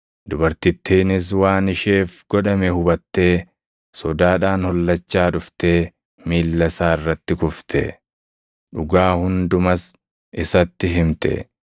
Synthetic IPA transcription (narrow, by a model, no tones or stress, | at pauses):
d̪ʊbɐɾt̪ɪt̪ːiːnɪs̬waːnɪʃe̞ːfɡ̥ɔᶑɐmɛhʊbɐt̪ːe̞ː | sɔd̪aːᶑaːnhɔlːɐt͡ʃːaːᶑʊft̪e̞ː | miːlːɐsaːɪrːɐt̪ːɪkʊft̪ʰɛ̰ | ᶑʊɡaːhʊnd̪ʊmɐs | ɪsɐt̪ːɪɦɪmt̪ɛ̰